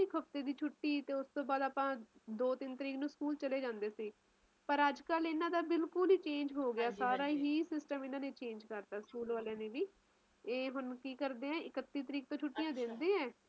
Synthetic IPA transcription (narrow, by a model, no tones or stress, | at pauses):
ɪkɦəpt̪eːd̪iːt͡ʃʰʊʈːiːt̪eːʊst̪õːbaːd̪aːpãːd̪oːt̪ɪnt̪əɾiːknũːskuːlt͡ʃəleːd͡ʒãːnd̪eːsiː | pəɾəd͡ʒkəlɪnãːd̪aːbɪlkʊliːt͡ʃẽːnd͡ʒɦoːɡɪaːsaːɾaːɦiːsɪsʈəmɪnãːneːt͡ʃẽːnd͡ʒkəɾt̪aːskuːlʋaːlãːneːʋiː | eːɦʊnkiːkəɾd̪eːɛ̃ːɪkət̪ːiːt̪əɾiːk̚t̪õːt͡ʃʰʊʈːijãːd̪ɪnd̪ẽːɛ̃ː